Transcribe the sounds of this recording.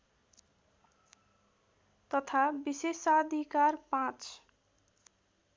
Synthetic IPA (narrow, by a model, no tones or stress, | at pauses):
t̪ʌt̪ʰabisesad̪ʱikarpãt͡s